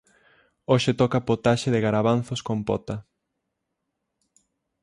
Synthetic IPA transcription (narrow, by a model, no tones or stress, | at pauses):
oʃet̪ɔkapot̪aʃeðɪɣaɾaβanθoskompɔ̰t̪ɐ